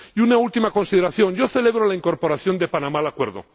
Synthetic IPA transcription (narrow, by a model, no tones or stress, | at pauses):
iunault̪imako̞nsiðe̞ɾaθjõ̞nɟ͡ʝo̞θe̞le̞βɾolaiŋko̞ɾpo̞ɾaθjo̞nd̪e̞panãmalakwe̞ɾðo̰